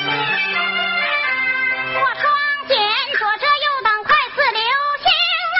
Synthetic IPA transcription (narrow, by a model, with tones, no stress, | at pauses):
wɔ˥˩ʈ͡ʂʰwɑ˥ŋt͡ɕjɛ˧˩nʈ͡ʂʰwɔ˨˩ʈ͡ʂʰɤ˥jo˥˩ʊt̪ɑ˨˩ŋkʰwa˥˧ɪsɹ̩˥˩ljo˧˥ʊɕi˧˥ŋ